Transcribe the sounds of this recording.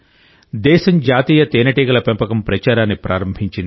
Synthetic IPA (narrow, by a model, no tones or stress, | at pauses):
d̪ɛːʃɐmd͡ʒaːt̪iːjɐt̪eːnɐʈiɡɐlɐpempɐkɐmpɾɐt͡ʃaːɾaːnːipɾʔaːɾɐmbʱiɲt͡ʃind̪